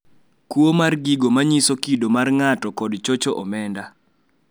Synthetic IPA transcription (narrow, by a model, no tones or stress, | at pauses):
kwomarɡiɡomaɲisokidomarŋatɔkɔdt͡ʃot͡ʃoʔɔmɛnda